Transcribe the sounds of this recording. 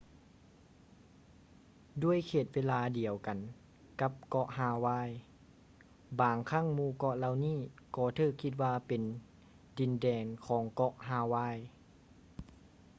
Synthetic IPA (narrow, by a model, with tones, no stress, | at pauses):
du˥˩˨əjkʰeː˧˩t̪̚weː˧˥laː˧di˨əwka˨n | ka˧˥p̚kɔ˧˥ʔhaː˧˩waː˧˥˨j | baː˨˩ŋkʰaː˧˥˨ŋmuː˧˩˨kɔ˧ʔla˧wniː˥˩˨kɔː˧t̪ʰɤː˧˩kʰːi˧t̪̚waː˧pe˨n | di˨˩ndɛː˨˩ŋkʰɔː˨˦ŋkɔ˧ʔɦaː˧˩waː˧˥˩j